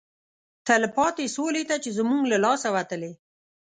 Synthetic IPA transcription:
t̪alɪpɑt̪esolet̪at͡ʃezmuŋɡlalɑsawat̪əle

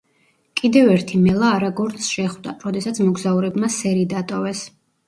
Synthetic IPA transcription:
kʼid̪ɛvɛɾt̪ʰimɛlˠaːɾaɡɔɾt̪sʃɛχvd̪a̰ɾɔd̪ɛsat̪sʰmɔɡzauɾɛbmasɛɾid̪at̪ʼɔvɛs

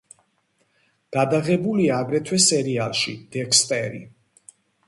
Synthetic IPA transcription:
ɡ̥ad̪aʁɛbuliaːɡɾɛt̪ʰwɛsɛɾialˠʃḭd̪̥ɛkspʼɛɾḭ

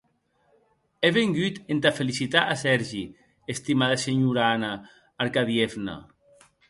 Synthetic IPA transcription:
eβeŋɡyt̪ent̪afelisit̪aʔasɛɾʒi | est̪imaðaseɲuɾanaː | ɾkaðievna̰

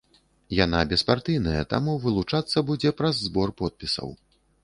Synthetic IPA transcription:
janabʲɛspart̪ɨjnɐjɐt̪a̰muvɨlˠut͡ʂat̪sːɐbud͡zʲɛpɾɐzːbɔrpɔt̪̚pʲisɐ̰w

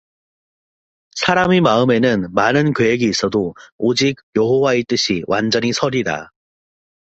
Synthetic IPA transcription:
sʰaɾamemaɯme̞nɯnmanɯnkeeɡiːs͈ʌdood͡ʑik̚jʌɦowaet͈ɯɕʰiwʔand͡ʑʌɲisʰʌɾida̰

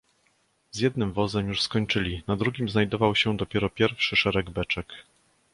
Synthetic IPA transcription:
zʲjɛd̪̚nɘmvɔzɛmjuʂskɔɲt͡ʂɘlʲinad̪ɾuɡʲimznajd̪ɔvawɕɛd̪ɔpʲjɛɾɔpʲjɛɾfʂɘʂɛɾɛɡbɛt͡ʂɛk

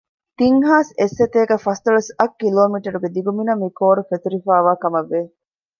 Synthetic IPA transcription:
t̪iŋɦaːsesːet̪eːɡɐfɐst̪ɐɭɐsɐkːiloːmiʈɐɾuɡed̪iɡuminɐmikoːɾufet̪uɾifaːʋaːkɐmɐʋːe

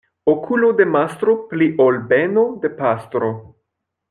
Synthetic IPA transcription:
okʰulod̪emast̪ɾopliʔolbenod̪e̞past̪ɾo

